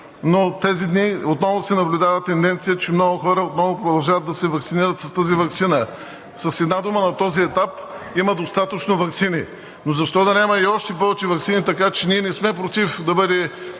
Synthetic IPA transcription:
not̪ɛzid̪niot̪nɔvʊsɛnɐblʲud̪avət̪ːɛnd̪ɛnt̪sijət͡ʃɛmnɔɡʊxɔɾəot̪nɔvʊpɾod̪ɐlˠʒavɐt̪̚d̪ɐsɛvɐksiniɾət̪sɐst̪azivɐksinə | sɐsɛd̪nad̪umənɐt̪ɔziɛt̪ap | iməd̪ost̪at̪ət͡ʃnovɐksini | nozɐʃt̪ɔd̪ɐnʲamɐiɔʃt̪ɛpɔvɛt͡ʃɛvɐksinit̪ɐkat͡ʃɛniɛnɛsmɛpɾot̪ifd̪ɐbɤd̪ɛ

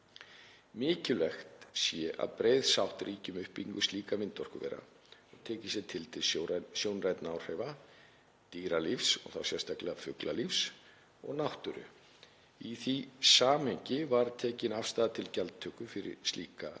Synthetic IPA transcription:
mɪːcʏlɛxt̪sjɛʔa̰ðpɾeːjðsawht̪rʔiːcʏmʏhpiŋkʏst̪liːkamɪnt̪ɔr̥kʏvɛ̰ːɾa̰ | ɔɣt̪ʰɛːcɪsjɛt̪ʰɪlt̪ʰɪlsosjownrajt̪nawr̥ɛjva | t̪iːɾalifsɔ̰ɣθa̰wsjɛn̥st̪ʰaklɛɣafʏklalifs | ɔɣnawht̪ʏɾʏ̰ | iθisaːmɛɲcɪvaɾt̪ʰɛːcɪnafst̪aːðat̪ʰɪlcalt̪t̪ʰːœːkʏfɪɾɪ̰ɾst̪lḭːka

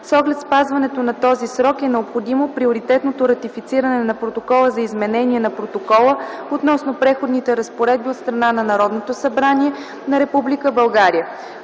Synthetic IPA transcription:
sɔɡlɛt̪spazvɐnɛt̪onɐt̪ɔzisɾɔkɛnɛopxod̪imopɾioɾit̪ɛt̪not̪oɾɐt̪ifit̪siɾɐnɛnɐpɾot̪okɔlˠəzɐizmɛnɛniɛnɐpɾot̪okɔlˠəot̪nɔsnopɾɛxod̪nit̪ɛɾəspoɾɛd̪̚biot̪st̪ɾɐnanɐnɐɾɔd̪not̪osɐbɾaniɛ | nɐɾɛpublikəbɐlˠɡaɾiə

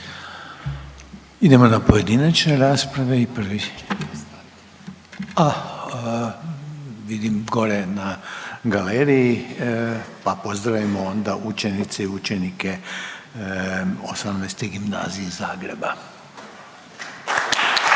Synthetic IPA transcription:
id̪e̞mo̞napo̞je̞d̪inat͡ʃne̞ɾaːspɾaʋe̞ipr̩ʋi | a | ʋid̪imɡo̞ɾe̞naɡaleɾiji | papo̞zd̪ɾaʋimoo̞nd̪aʔut͡ʃe̞nit̪seiut͡ʃenike | o̞̰samnajst̪eɡimna̰ːzijezaːɡɾe̞̰ba

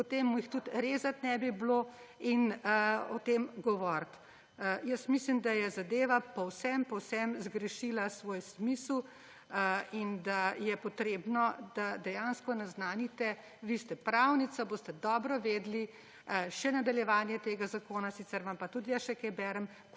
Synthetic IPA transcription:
pɔt̪emːuixt̪ut̪ɾeːzat̪nɛbiblo | inɔt̪emɡɔʋɔɾt̪ | jəsmislimd̪ajɛzad̪eːʋapɔwsɛmpɔwsɛmzɡɾɛʃilasʋoːjsmisl | ind̪ajɛpɔt̪ɾeːbnɔd̪ad̪ɛjaːnskɔnaznaːnit̪ɛ | ʋist̪ɛpɾawnit̪saboːst̪ɛd̪ɔːbɾɔʋeːd̪li | ʃɛnad̪aljɛʋaːnjɛt̪eːɡazakoːnasit̪t͡s̪ɛɾʋampat̪ud̪ijəsʃɛkɛjbɛɾəm

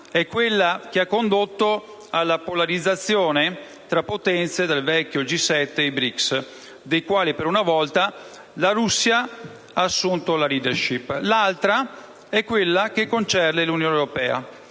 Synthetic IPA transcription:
ɛkːwelːak̟eakːond̪ot̪ːo | alːapolaɾid̪zːat̪sːjoːne | t̪ɾapːot̪ɛnt̪sed̪elvɛkːjod͡ʒisɛt̪ːeibɾiks | d̪ejkwaːlipeɾunavɔlt̪a | laɾusːja | aːsːunt̪olaliːd̪erʃiplalt̪ɾa | ɛkːwelːak̟ekːont͡ʃɛrd̪elunjoːnewɾopɛːa̰

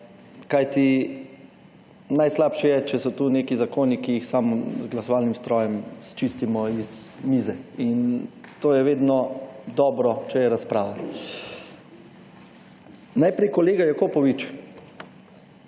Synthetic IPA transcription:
kajt̪i | najslaːpʃijɛt͡ʃɛsɔt̪uneːkizakoːnikijixsamzɡlɐsɔʋaːlnimst̪ɾɔːjɛmst͡ʃist̪imɔiz | mizɛint̪oːjɛʋeːd̪nɔd̪ɔːbɾɔt͡ʃɛjɛɾaspɾaːʋa | najpɾɛjkɔleːɡajɛkoːpɔʋit͡ʃ

